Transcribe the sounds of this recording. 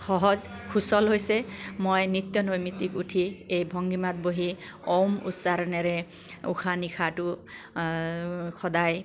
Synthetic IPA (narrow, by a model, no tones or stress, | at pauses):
xɔɦɔz | kʰusɔlɦojsemojnit̪jɔnojmit̪ikuʈʰiejbʱɔŋɡimat̪̚boɦi | owmṵsaɾɔnɛɾe | ṵkʰanikʰatu | kʰɔd̪aj